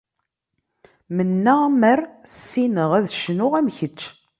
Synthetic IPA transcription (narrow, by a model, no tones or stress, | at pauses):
mənːæməɾsːinəʁæðʃnʊʁæmçət͡ʃː